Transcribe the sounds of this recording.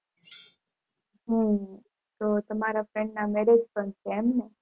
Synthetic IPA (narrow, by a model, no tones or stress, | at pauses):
ɦũ | t̪ot̪əmaɾafɾɛ̃ɳɖnamɛɾed͡ʒpəɳt͡ʃʰeɛmne